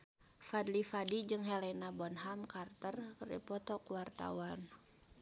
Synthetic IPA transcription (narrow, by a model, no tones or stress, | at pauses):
fad̪lifadid͡ʒɨŋɦɛlɛnabɔnɦamkart̪ərdḭpɔt̪ɔkuwart̪a̰wan